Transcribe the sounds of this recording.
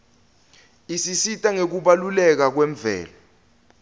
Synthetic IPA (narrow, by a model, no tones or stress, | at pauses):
isisitʼaŋek̬uɓalulɛk̬ak̬wɛɱbvʱɛ̰ːla